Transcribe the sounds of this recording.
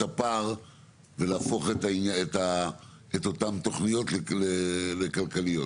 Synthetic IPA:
apaʁ | velaːfo̞χet̪ainaeta | et̪o̞tamt̪o̞χnijo̞t̪lelelekalkalijot

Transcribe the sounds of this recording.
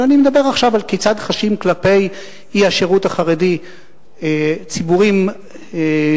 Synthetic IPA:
animed̪abe̞ʁaχʃavalket͡sad̪χaʃimklape̞j | ihaʃeʁutaχaʁedi | t͡sibuʁim

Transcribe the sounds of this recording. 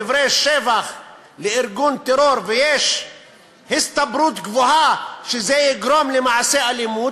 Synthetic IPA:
ɪvɾeʃːeːvax | lɪʔɪɾɡuːnt̪eɾoɾvɪjeːʃ | hɪst̪abɾuːt̪ɡvohaʃezejɪɡɾomlɪmaʕseʔalɪmuːt̪

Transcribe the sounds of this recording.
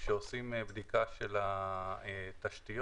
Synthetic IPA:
ʃeosimebd̪ikaʃelaet̪aʃt̪ijo

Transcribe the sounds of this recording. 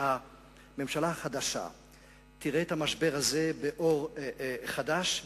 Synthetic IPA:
ha | me̞mʃalahaχad̪aʃa̰ | t̪iʁeːt̪hamaʃbe̞ʁaze̞beʔo̞ʁχadaʃ

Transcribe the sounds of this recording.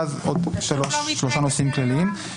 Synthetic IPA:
azodʃoʃʃloʃanosimklaliim

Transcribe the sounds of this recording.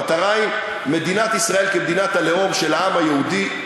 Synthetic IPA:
t̪aʁajm | me̞d̪inat̪isʁae̞lkemd̪inat̪ale̞o̞mʃe̞laamajeud̪i

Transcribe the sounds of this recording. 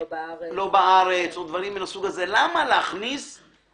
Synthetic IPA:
lo̞baaʁet͡sod̪vaʁiminasuɡaze̞lamaleaχnis

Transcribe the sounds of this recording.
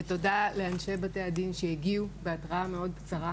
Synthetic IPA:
eto̞dale̞anʃe̞bate̞adinʃejeɡiube̞atʁaame̞o̞d̪̚kt͡saʁa

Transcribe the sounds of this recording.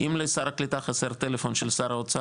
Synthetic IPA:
imlesaɾaklit̪aχaseʁt̪elefonʃelsaɾaot͡sa

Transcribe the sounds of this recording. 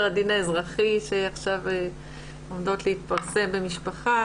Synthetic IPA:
ʁadinaezʁaχiʃeaχʃave | omdo̞t̪lehit̪paʁse̞mbe̞miʃpaχa

